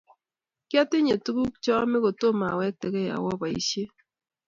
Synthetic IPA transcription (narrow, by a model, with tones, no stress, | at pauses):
kja˦tɪ˦ɲe˨tu˦ɡu˦k̚t͡ʃɔ˦mɛ˦ko˨to˦ma˨wɛ˦k̚tɛ˨ɡɛ˦˨a̰˨wɔ˦ba˨ḭ˨˦ʃje˦